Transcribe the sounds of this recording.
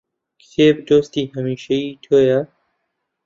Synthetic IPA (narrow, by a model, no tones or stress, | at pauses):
kt̪ʰeːbd̪oːst̪iːhɐmiːʃɐjiːt̪ʰoːjɐ